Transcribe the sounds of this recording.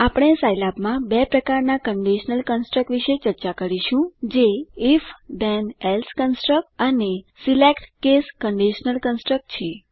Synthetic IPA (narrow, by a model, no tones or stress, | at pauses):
apəɽ̃esajlabmãbɛpɾəkaɾnakəɳɖiʃnəlkənsʈɾək̚ʈʋiʃet͡ʃəɾt͡ʃakəɾiʃũd͡ʒeifd̪ɛnɛlskənsʈɾək̚ʈənesilekʈkeskəɳɖiʃnəlkənsʈɾək̚ʈt͡ʃʰe